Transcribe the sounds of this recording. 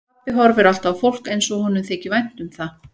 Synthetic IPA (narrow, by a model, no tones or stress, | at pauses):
pɪɦɔɾvɪɾal̥t̪awfowl̥kejnsɔhɔnːʏmθɛːcɪvajn̥t̪ʏmθa